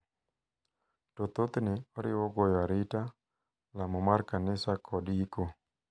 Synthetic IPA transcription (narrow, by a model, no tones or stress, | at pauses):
tot̪ot̪nɛɔɾɪ̰wɔɡojaɾɪta | lamɔmarkanɪsakʰɔdiko